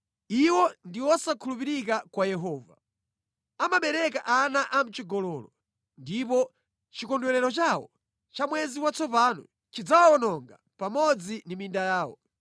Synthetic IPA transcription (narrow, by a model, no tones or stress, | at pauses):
iwɔndiwɔsakʰulupiɾik̬akwajɛɦɔːva̰ | amaɓɛɾɛkaʔanaʔam̩t͡ʃiɡɔlɔːlɔ | ndipɔ | t͡ʃikɔndwɛɾɛɾɔt͡ʃaːwɔ̰ | t͡ʃamwɛziwat͡sɔpaːnɔ̰ | t͡ʃid͡zawawɔnɔŋɡa | pamɔd͡zinimindajaːwɔ̰